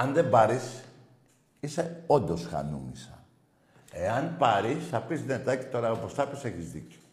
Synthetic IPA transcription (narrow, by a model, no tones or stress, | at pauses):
ɐnðebɐɾis | ise̞o̞nd̪o̞sxɐ̰numisɐ | eɐnpɐɾisθɐpizðiet̪ɐci̥t̪o̞ɾɐopost̪ɐpise̞çizðḭco̥